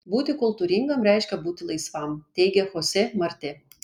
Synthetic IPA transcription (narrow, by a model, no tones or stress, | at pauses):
buːt̪ʲɪkʊlˠt̪uːɾʲɪŋɡɐmɾʲɛɪʃʲkʲɛbuːt̪ʲɪlˠɐɪsʋɑmt̪ʲɛɪɡʲɛxoːsʲɛmɐɾʲt̪ʲɪ